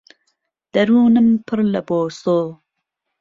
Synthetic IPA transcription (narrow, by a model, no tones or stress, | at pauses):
d̪̥ɐɾuːnɨmpʰɨɾlɐboːsoː